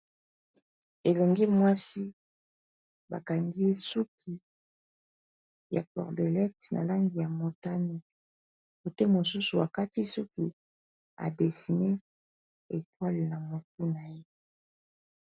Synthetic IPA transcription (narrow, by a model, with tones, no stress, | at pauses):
e˨le˨ŋɡi˦mwa˦si˦ | ba̰˨ka˨ŋɡi˦e˦su˦kʰi˦ | ja̰˨kɔ̰˨ʁde˨lɛ˦tnʔa̰˨la˦ŋɡi˨ja˨mo˨ta˦ni˨ | o˨te˦mo˨su˦su˨a˨ka˦ti˦sɔ˦ki˦ | a̰˨de˨si˨ne˦ | e˨twa˦lna˨mo˨k̚u˦na˨je˦